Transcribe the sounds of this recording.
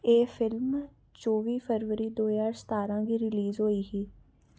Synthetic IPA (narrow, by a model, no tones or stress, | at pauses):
eːfʰɪlm | t͡ʃoːʋiːpʰəɾʋəɾiːd̪oːjaːɾst̪aːɾãːɡiːɾɪliːzɦoːiːɦiː